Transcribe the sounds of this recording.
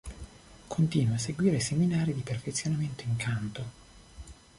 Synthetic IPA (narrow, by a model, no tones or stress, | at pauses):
kʰont̪iːnwas̬ːeɡwiːɾeseminaːɾid̪iperfet̪sːjonament̪oiŋkant̪o